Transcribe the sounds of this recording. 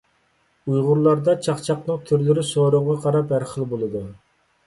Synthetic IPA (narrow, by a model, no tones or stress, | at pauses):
ujʁʊɾlˠɑɾd̪ɑt͡ʃʰɑχt͡ʃʰɑqnɨŋt̪ʰyɾlɪɾɪsoɾʊʁɑqʰɑɾɑphæɾχəlˠbolˠɨd̪u